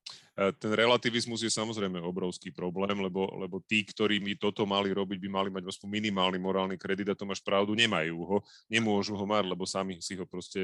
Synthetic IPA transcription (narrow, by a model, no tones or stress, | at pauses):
t̪ɛnɾɛlat̪iʋizmuzjɛsamɔzɾɛjmɛɔbɾɔʊskiːpɾɔblɛːmlɛbɔlɛ̰bɔt̪iːkt̪ɔɾiːmit̪ɔt̪ɔmaliɾɔbiɟbimalimaɟɔspɔmːinimaːlnimːɔɾaːlnikɾɛd̪id̪at̪ɔmaʃpɾaʊd̪uɲɛmajuːɦɔɲɛmʊɔʒuɦɔmaɟlɛbɔsamisiɦɔpɾɔscɛ